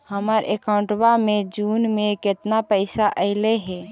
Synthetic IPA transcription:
həməɾʔḛkaʊ̃ɳʈbamẽd͡ʒuːnmẽkɪt̪napəɪsaʔəɪleɦɛː

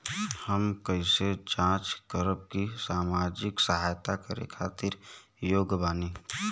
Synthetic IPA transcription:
həmkəised͡ʒãːt͡ʃkəɾəb̚kisaːmaːd͡ʒɪksəɦaːjt̪akəɾḛkʰaːt̪ɪɾ | joːɡbaːniː

